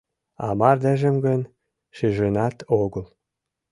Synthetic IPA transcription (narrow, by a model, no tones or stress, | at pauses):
ɑ̰mɑrd̪æʒə̆mɡə̆n | ʃiʒenɑt̪oɣəl